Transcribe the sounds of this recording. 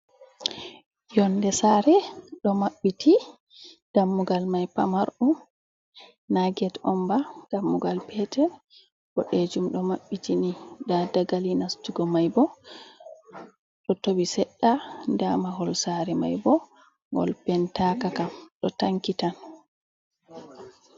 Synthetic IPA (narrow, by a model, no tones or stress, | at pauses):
jɔndɛsaɾɛɗɔmaɓːiti | d̥amːuɡalmajpa̰maɾʔum | naɡɛtɔmbad̥amːuɡalpʰɛtɛɾ | bɔɗed͡ʒumɗɔmaɓːitinidadaɡalinastuɡɔmajbɔ | ɗɔtobisɛɗːandamaɦɔlsaɾɛma̰jbɔ | ŋɡɔ̰lpɛntakakamɗɔtaŋkitan